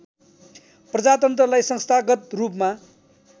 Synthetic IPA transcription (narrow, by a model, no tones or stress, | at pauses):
prʌd͡zat̪ʌnt̪rʌlajsʌŋst̪ʰaɡʌt̪rupma